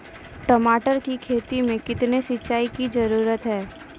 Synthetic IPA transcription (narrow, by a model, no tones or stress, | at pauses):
ʈɐmaːʈəɾkikʰeːt̪imẽkɪt̪nesɪt͡ʃːaːikid͡ʒɐɾuːɾət̪ɦɛː